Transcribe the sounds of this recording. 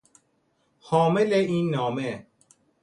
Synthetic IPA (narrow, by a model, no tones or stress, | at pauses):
xɒːmeleiːnːɒːme